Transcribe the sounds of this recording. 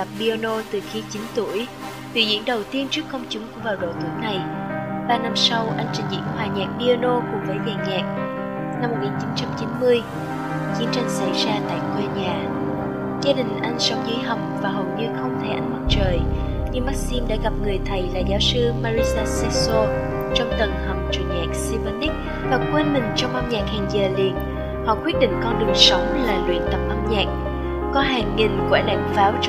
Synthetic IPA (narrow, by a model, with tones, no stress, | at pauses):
ə˨˩p̚ɗi˧o˧no˧t̪ɨ˨˩xi˨˦t͡ɕi˨˦nt̪u˧˩əj | vḭ˧˨˩zḭ˧˥ənɗə˨˩wt̪i˧ənt͡ɕɨ˦˥əkkːə˧wŋ͡mt͡ɕʊ˨˦ŋ͡mku˧˥əvaː˨˩wɗo̰˧˨t̪u˧˩əjna˨˩jɓaː˧na˧msa˧wʔa˧jŋ̟t͡ɕï˨˩ŋ̟zḭ˧˥ənhwaː˨˩ɲaː˨˩k̚ɗi˧o˧no˧ku˧˩əvə˨˦jvɛː˨˩ɲɛː˨˩k̚ | na˧mː˨˩t̚ŋi˨˩t͡ɕi˨˦nt͡ɕa˧mt͡ɕi˨˦nmɨ˧əj | t͡ɕi˨˦ənt͡ɕa˧jŋ̟sa˧˩jzaː˧t̪a̰ː˧˨jkwe˧ɲaː˨˩ | zaː˧ɗï˨˩ŋ̟ʔa˧jŋ̟sə˨˦wŋ͡mzɨ˨˦jɦə˨˩wŋ͡m̚vaː˨˩ɦo̰˨˩wŋ͡mɲɨ˧xə˧wŋ͡mt̪ʰe˧˩ʔa˧jŋ̟mə˦˥t̚t͡ɕəː˨˩j | ɲɨ˧ŋɓaː˦˥k̚si˧mɗa̰ː˧˥ɣa˨˩p̚ŋɨ˨˩əjt̪ʰə˨˩jla̰ː˧˨jzaː˨˦wsɨ˧maː˧ɹi˧saː˧sɛ˧so˧ | t͡ɕɔ˧wŋ͡mt̪ə˨˩nhə˨˩wk͡p̚t͡ɕɨ˨˩əŋɲa̰ː˨˩k̚si˧və˧ni˦˥k̚ | vaː˨˩kwe˧nmï˨˩ŋ̟t͡ɕɔ˧wŋ͡mʔə˧mɲa̰ː˨˩k̚haː˨˩ŋzəː˨˩lḭ˧˨ən̚ | hɔ̰˧˨kwi˦˥ət̚ɗḭ˧˨ŋ̟kɔ˧nɗɨ˨˩əŋsə˨˦wŋ͡mlaː˨˩lwḭ˧˨ənt̪ə˨˩p̚ʔə˧mɲa̰ː˧˨k̚ | kɔ˨˦ɦaː˨˩ŋːi˨˩ŋkwɛ˧˩la̰˧˨ŋfaː˨˦w